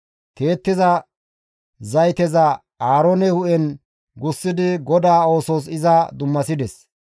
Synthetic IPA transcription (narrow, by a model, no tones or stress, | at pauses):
t̪e̞ːt̪ːɪzɐ | zɐjt̪ɛzɐ | aːɾoːnɛhʊʔɛn | ɡʊsːɪd̪ɪɡɔd̪aːo̞ːsoːs̬ɪzɐd̪ʊmːɐsɪd̪ɛs